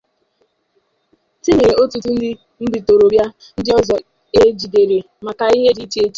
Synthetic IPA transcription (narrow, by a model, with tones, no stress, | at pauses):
ti˦ɲe˨o˦tu˨tu˦n̩˦dɪ˦ | n̩˦di˨to˨ɾo˨bja˦ | n̩˦dɪ˦ɔ˦zɔ˨ | e˦d͡ʒi˨de˨ɾe˨ | ma˨ka˨i˦ɦe˦di˦t͡ʃi˦e˦t͡ʃi̥˦